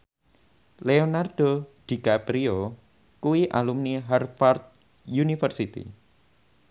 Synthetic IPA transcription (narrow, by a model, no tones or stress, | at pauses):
leonard̥od̪̥i̤kapɾio | kuwiʔalumniɦarfart̪̚ | junifərsit̪ḭ